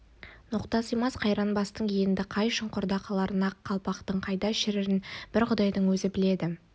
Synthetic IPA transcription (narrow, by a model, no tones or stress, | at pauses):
nʊqt̪ɑsəjmɑsqʰɑjɾɑnbɑst̪əɴeɪnd̪ɪqʰɑjʃəɴqʊɾd̪ɑqʰɑlˠɑɾənɑqʰːɑlˠpɑqt̪əɴqʰɑjd̪ɑʃɪɾɪɾɪnb̥ɪɾqʰʊd̪ɑjd̪əɴwɵzɪbɪle̞d̪ɪ